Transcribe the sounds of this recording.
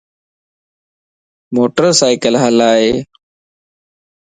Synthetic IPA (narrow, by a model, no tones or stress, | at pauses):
moːʈəɾsaːɪkəlɦəlaːɦeː